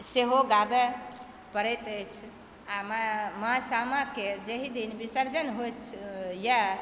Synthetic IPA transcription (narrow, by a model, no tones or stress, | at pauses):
seɦoɡabe | pəɾɛt̪əjt͡ʃʰ | amamasamaked͡ʒeɦid̪inbisəɾd͡ʒənɦojt̪t͡ʃʰja